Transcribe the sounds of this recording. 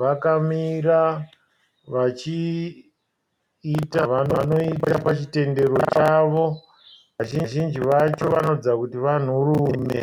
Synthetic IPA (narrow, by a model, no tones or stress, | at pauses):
ʋakamira | ʋat͡ʃi | taʋanano̞itapat͡ʃite̞nde̞ɾo̞t͡ʃaʋo̞ | ʋaʒiʒind͡ʒiʋat͡ʃo̞ʋano̞d͡zakutiʋan̤uruːmḛ